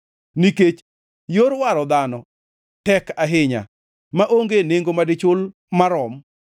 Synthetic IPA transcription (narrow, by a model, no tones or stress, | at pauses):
niket͡ʃ | joɾwaɾɔd̪anɔ | tɛkaɦɪɲa̰ | maʔoŋɡeneŋɡomadɪt͡ʃʊl | maɾɔm